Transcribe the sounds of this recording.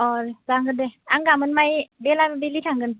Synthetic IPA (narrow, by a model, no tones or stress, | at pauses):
ɔɾzaŋɡɯndeaŋɡamɯnmajbelaɾbilitʰaŋɡɯn